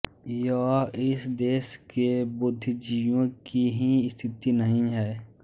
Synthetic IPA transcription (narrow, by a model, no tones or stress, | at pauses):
jaːɪsd̪eːʃkebʊd̪ʱːd͡ʒijõkiɦist̪ʰɪt̪inəɦĩɦɛː